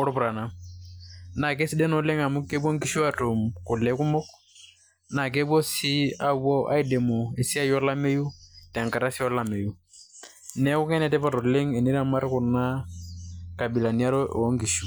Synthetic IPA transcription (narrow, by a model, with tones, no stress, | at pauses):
ɔ˦ɾpu˨ɾa˨na˨m | na˨k̬e˦si˦dɛ˦nɔ˨le˦ŋa˨mu˦kːe˦bo˦ŋki˦ʃu˦a˦to˨mku˨lɛ˨˦ku˦mɔ˦k | na˨k̬e˦bwɔ˦si˦a˦wɔ˦ʔa̰˦i˦de˨mo˨e˨si˦a˦jɔ˦la˦me˦ju˦tɛ˨ŋka˨ɾa˦si˦ɔ˦la˦me˨ju˦ | nɛ˦ku˦kɛ˦nɛ˦tɛ˦pa˦˨tɔ˨lɪ˦ŋe˨ni˦ɾa˦ma˦ɾku˨na˦ | ka˨bi˨la˨ni˦a˦ɾɔ˦ʔŋki˨ʃu˨